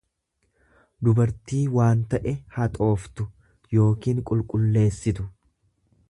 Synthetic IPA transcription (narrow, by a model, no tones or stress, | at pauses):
d̪ʊbɐɾt̪iːwaːnt̪ɐʔɛhɐt̪ʼo̞ːft̪ʊ | jo̞ːkiːŋkʼʊlkʼʊlːe̞ːsːɪt̪ʊ